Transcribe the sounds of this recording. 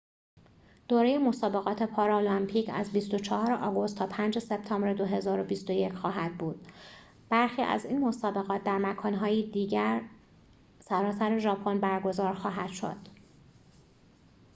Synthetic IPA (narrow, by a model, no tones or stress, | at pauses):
d̪̥oːɾe̞jemo̞sɒːbe̞ɣɒːt̪ʰe̞pʰɒːɾolɒmpʰiːcʰæ̰zbist̪o̞t͡ʃʰɒhɒːɾeʔɒːɡo̞st̪ʰːɒːpʰænd͡ʒe̞se̞b̚t̪ʰɒːmbɾed̪o̞ɦe̞zɒːɾo̞bist̪o̞je̞cʰxɒːɦæd̪̥̚buːd̪̥ | b̥æɾxiːʔæ̰ziːnmo̞sɒːbe̞ɣɒːt̪̚ʰd̪æɾmækʰɒːnɦɒːjid̪iːɟæɾ | sæɾɒːsæɾe̞ʒɒːpʰonbæɾɡo̞zɒːɾxɒːɦæd̪̥ʃo̞̰d̪̥